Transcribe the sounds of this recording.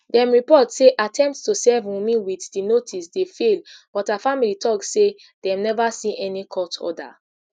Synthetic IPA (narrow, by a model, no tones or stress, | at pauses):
dɛ̃mɹipɔtseʔatʰɛ̃mp̚tstusɛvũmĩwiðdinotʰisdefelb̥ɔtafamilitʰɔksse | dɛ̃mnɛvasĩʔɛnikʰɔtʰɔ̰da̰